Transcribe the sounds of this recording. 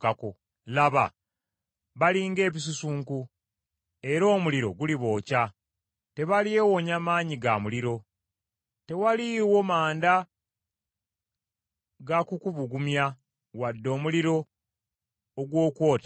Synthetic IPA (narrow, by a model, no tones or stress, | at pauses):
kako | laβa̰ | βaliːŋɡe̞ːβisusuːŋku | e̞ɾo̞ːmuliɾo̞̰ɡuliβo̞ːca | te̞βaliewoɲamaːɲiɡamuliɾo̞ | te̞waliwo̞maːnda | ɡakukuβuɡumja | wadːo̞ːmuliɾo̞ | ɡwo̞ːkwo̞ːtḁ